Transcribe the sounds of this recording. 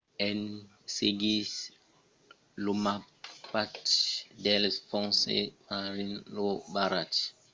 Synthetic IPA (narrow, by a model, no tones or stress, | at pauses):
ɛn | seɡis | luma | patdɛlsfɔ̃ŋsḛmaɾinlobaɾat